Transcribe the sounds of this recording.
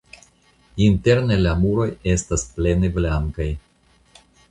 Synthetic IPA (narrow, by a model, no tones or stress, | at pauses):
inte̞ɾne̞lamuɾo̞je̞stasple̞neblaŋkaj